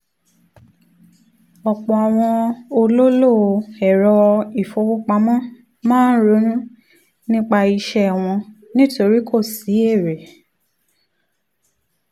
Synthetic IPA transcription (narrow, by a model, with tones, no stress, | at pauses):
ɔ˨k͡pɔ˨a˨w̃ɔ̃˧o˧lo˦lo˦˨˧ɛ˨ɾɔ˧i˦˨fo˧wu˦k͡pa˧˦mɔ̃˦ | mãː˦n̩˦ɾo˨˦nũ˦ | nĩ˦k͡pa˧i˧ʃɛ˦˨w̃ɔ̃˧ | nĩ˦to˧ɾi˦kʰo˦˨si˨˦e˦˨ɾe˨